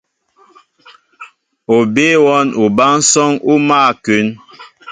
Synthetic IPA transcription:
o˨be˦wɔ˦nʔu˨ba˦n̩˦sɔ˦ŋu˦maː˦˨kʉ˨˦n

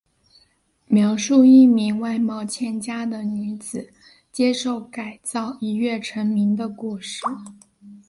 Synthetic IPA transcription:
mjɑ˧˥ʊʂu˥˧i˥˩mi˧˥ŋwa˥˧ɪmɑ˥˧ʊt͡ɕʰjɛ˥˩nt͡ɕja˥d̪ə˨ny˧˥t͡sɹ̩˨˩˦ | t͡ɕjɛ˥ʂo˥˩ʊka˨˩ɪt͡sɑ˥˩ʊi˧˥ɥɛ˥˩ʈ͡ʂʰə˧˥ŋmi˧˥ŋd̪ə˧ku˥˧ʂɻ̩˥˩

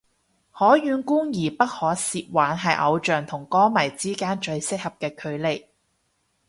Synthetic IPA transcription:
hɔː˨˥jyː˨˧nkuː˥ŋjiː˨˩pɐ˥t̚hɔː˨˥siː˧t̚waː˨˥nɦɐ˨jʔɐ̰˨˧wt͡ʃœː˨ŋt̪ʰʊ˨˩ŋkɔː˥mɐ˨˩jt͡siː˥kaː˥nt͡ʃɵ˧ɥsɪ˥k̚hɐ˨p̚kɛː˧kʰɵ˨˧ɥle˨j

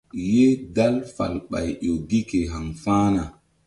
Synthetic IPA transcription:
je˦da˦lfa̰˨lɓa̰˨jɗo˨ɡi˦ke˨ɦa˨ŋfaː˦na˨

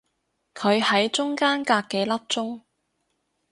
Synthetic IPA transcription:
kʰɵ˨˧ɥhɐ˨˥jt͡ʃʊ˥ŋkaː˥nkaː˧kːɛː˧lɐ˥p̚t͡sʊ˥ŋ

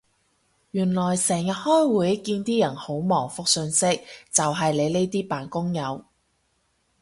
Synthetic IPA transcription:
jyː˨˩nlɔː˨˩jsɛː˨˩ŋjɐ˨t̚hɔː˥jwuː˨˥jkiː˧nt̪iː˥jɐ˨˩nho˨˥wmɔː˨˩ŋfʊ˨k̚sɵ˧nsɪ˥k̚t͡sɐ˨wɦɐ˨jle˨˧jle˥jt̪iː˥paː˨nkʊ˥ŋjɐ˨˧w

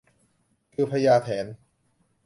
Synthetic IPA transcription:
kʰɯː˧pʰa˧jaː˧t̪ʰɛː˩˦n

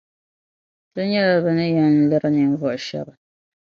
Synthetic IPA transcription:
tɨ˦ɲɛ˦la˨bɨ˨nɨ˦jɛ˨n̩˦lɨ˦ɾɨ˦nɨ˨ɱ˦vɔ˨ʔʃɛ̰˦bɨ˨

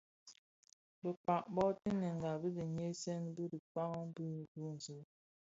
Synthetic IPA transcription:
bə˨k͡pa˨ʔbɔ˦ti˦ne˨ŋ˨ɡa˨bi˦di˨ɲe˦sɛ˦n˦bə˦di˨k͡pa˦ɣbə˦˨bu˦n̩˨zu˦

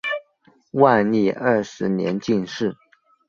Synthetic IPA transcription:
wa˥˧li˥˧ə˥˩ʂɻ̩˧˥njɛ̰˧˥nt͡ɕi˥˧nʂɻ̩˥˩

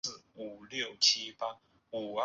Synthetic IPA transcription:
ɹ̩˥˨u˨˩ljo˥˨ʊt͡ɕʰi˦pa˦˥ | u˨˩ə

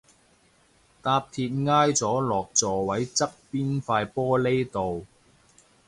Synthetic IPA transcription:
t̪aː˧p̚t̪ʰiː˧t̚ŋaː˥jt͡sɔː˨˥lɔː˨˩k̚t͡sɔː˨˩wɐ˨˥jt͡sɐ˥k̚piː˥nfaː˧jpɔː˥le˥jt̪o˨w

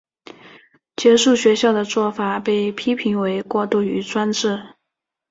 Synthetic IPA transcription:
t͡ɕjɛ˧˥ʂu˥˩ɕɥɛ˧˥ɕjɑ˥˩ʊd̪ə˩t͡swɔ˥˩fa˨˩pe˥˩ɪpʰi˥pʰi˧˥ŋwe˧˥ɪkwɔ˥˧t̪u˥˩y˧˥t͡swa˥nʈ͡ʂɻ̩˥˩

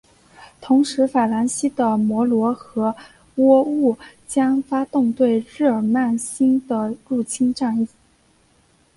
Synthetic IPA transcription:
t̪ʰʊ˧˥ŋʂɻ̩˧˥fa˨˩la˧˥nɕi˥d̪ə˨mwɔ˧˥lwɔ˧˥xɤ˧˥ | wɔ˥u˥˩t͡ɕjɑ˥ŋfa˥t̪ʊ˥˧ŋt̪we˥˧ɪɻ̩˥˩ə˞˨˩ma˥˩nɕi˥nd̪ə˨ɻu˥˩t͡ɕʰi˥nʈ͡ʂa˥˧ni˥˩˨

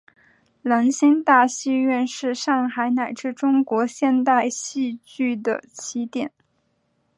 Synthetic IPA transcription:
la˧˥nɕi˥ŋt̪a˥˧ɕi˥˧ɥɛ˥˧nʂɻ̩˥˧ʂɑ˥˩ŋxa˧˥ɪna˨˩ɪʈ͡ʂɻ̩˥˩ʈ͡ʂʊ˥ŋkwɔ˧˥ɕjɛ˥˧nt̪a˥˧ɪɕi˥˧t͡ɕy˥˩d̪ə̰˩t͡ɕʰi˧˥t̪jɛ˨˩˦n

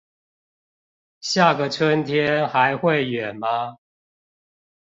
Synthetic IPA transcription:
ɕja˥˨ɡə˨t͡sʰwə˦nt̪ʰjɛ˦nxa˨˦ɪxwe˥˨ɪɥɛ˨˩nma˦

